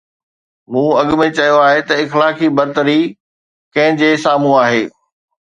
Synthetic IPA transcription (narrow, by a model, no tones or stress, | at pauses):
mũːɐɠʊmẽt͡ɕɐjoaːɦet̪ɐɪxlaːkʰibɐɾt̪əɾi | kɐ̃ɦɪ̃d͡ʑeːsaːmuaːɦeː